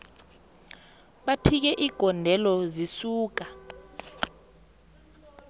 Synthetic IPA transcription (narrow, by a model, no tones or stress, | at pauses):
ɓapʰik̬ɛʔiɡ̥ʱɔndʱɛlɔzisuːk̬a